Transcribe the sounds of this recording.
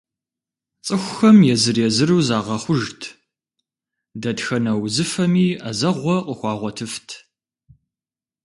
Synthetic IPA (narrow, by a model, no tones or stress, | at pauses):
t͡sʼɨxʷʊxɐmjɛzɨrɛzɨrɨwzaːʁɐχʷʊʒtʰ | dɐtxɐnɐwzɨfɐmiːazɐʁʷɔqʼəxʷɑːʁʷɔtʰɨftʰ